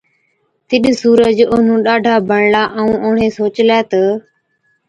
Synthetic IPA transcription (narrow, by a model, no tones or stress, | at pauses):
t̪ɪɗsuːɾəd͡ʒʊn̤ũːɗaːɖʱaːbʱəɳlaːʔəũːʔʊːɳeːsoːt͡ʃlɛːt̪ə